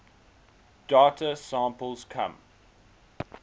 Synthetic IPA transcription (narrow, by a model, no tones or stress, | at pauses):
d̥atʰəsɑ̃ːˑmpəlˠzkʰã̰m